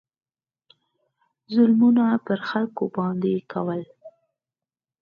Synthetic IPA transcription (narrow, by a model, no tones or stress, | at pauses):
zʊlmunapəɾxalkobɑnd̪ekʰawəl